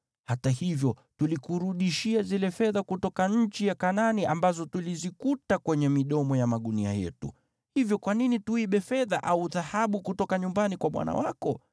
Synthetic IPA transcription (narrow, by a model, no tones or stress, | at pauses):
hatahivjɔtulikuɾuɗiʃiazilɛfɛðakutɔkaɲ̩t͡ʃijakananiʔambazɔtulizikutakwɛɲɛmiɗɔmɔjamaɗunia̰jɛ̰tṵ | hivjɔkwaninituiɓɛfɛðaʔauðahaɓukutɔkaɲumbanikwaɓwa̰na̰wakɔ